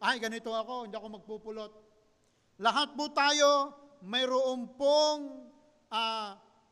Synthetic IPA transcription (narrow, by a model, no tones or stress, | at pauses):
ajɡɐnɪt̪oɐko̞ɪnd̪iɐkomɐɡ̚puːpʊlot̪̚ | lɐɦat̪̚pʊt̪aːjo | mɐjɾoʔompoŋ | ʔa